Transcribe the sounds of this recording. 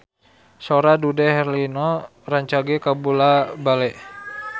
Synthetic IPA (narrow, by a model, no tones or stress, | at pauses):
soɾadudɛhɛrlinɔ | raɲt͡ʃaɡɛkabulabalɛʔ